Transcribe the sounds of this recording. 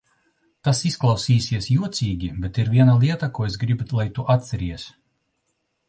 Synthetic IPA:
t̪asisklˠawsiːsʲiɛsjuɔt̪sʲiːɡʲibʲɛt̪iɾvʲiɛnalˠiɛt̪akuɔesɡɾibulˠajt̪uʔat̪sɛɾiɛs

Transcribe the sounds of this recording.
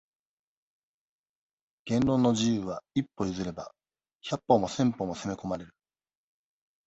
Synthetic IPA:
ɡ̥ẽ̞nɾo̞ːnːo̞ʑijɯːβaipːo̞izɨɾe̞ba̰ | çʲapːo̞mo̞sẽ̞mpo̞mo̞se̞me̞ko̞maɾe̞ɾɯ̟̥

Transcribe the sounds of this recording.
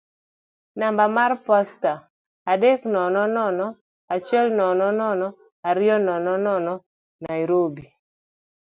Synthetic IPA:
nambamarpɔsta | adeknɔnɔnɔnɔ | at͡ʃɛlnɔnɔnɔnɔ | aɾɪɔnɔnɔnɔnɔ | najɾobi

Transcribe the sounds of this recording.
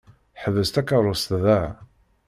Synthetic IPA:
ħəvəst̪ækaɾˤʊst̪ðæ

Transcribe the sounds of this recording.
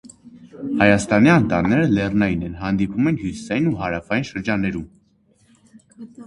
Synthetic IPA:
hɑjɑst̪ɑniɑnt̪ɑnːɛɾəlɛrnɑjinɛnɦɑnd̪ipʰumɛnhjusi̥sɑjinuɦɑɾɑfɑjinʃəɾd͡ʒɑnːɛɾum

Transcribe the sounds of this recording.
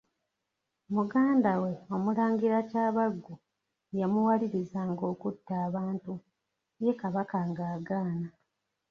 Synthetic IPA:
muɡaːndawe̞o̞mulaːŋɡiɾacaːβaɡːu | jamuwaliɾizaːŋɡo̞ːkutːaːβaːntu | je̞kaβakaŋɡaːɡaːna

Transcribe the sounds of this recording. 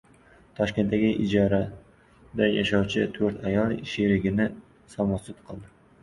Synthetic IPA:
t̪ʰɒʃkʲe̞nt̪ːaɡʲɪʔɪd͡ʒɒɾa | d̪ajaʃɑwt͡ʃʰɪt̪ʰɵɾt̪ʰajɒlˠɪʃeɾɪɡʲɪnɪ | sɒmɒsɪt̪qʰɨlˠd̪ɪ

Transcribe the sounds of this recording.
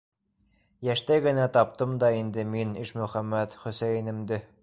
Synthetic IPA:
jæʃt̪æjɡɘ̆næt̪ɑpt̪ɤmd̪ɑind̪ɘminiʃmɵ̆χæmːæt̪χɵ̆sæjnɘ̆md̪ɘ

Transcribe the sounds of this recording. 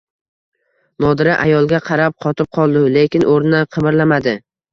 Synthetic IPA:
nɒd̪ɪɾaʔajɒlˠɡʲaqʰɑɾap̚qʰɒt̪ʰɪp̚qʰɒlˠd̪ɪlekʲɪnʔoɾnɪnɪqʰɨbɪɾlamad̪ɪ

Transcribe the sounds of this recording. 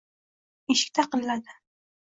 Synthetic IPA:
eʃɪ̥kʲt̪ʰaqɨnlad̪ɪ

